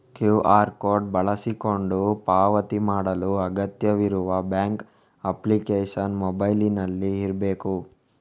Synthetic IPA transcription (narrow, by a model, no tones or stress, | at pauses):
kjuːʔaːɾkoːɾɖ̚bɐɭɐsiko̞ɳɖupaːʋɐt̪imaːɽɐluɐɡɐt̪jɐʋiɾuʋɐbjaːŋk | ɐplikeːʂɐnmɔbɐjlinɐlːiːɾbeːku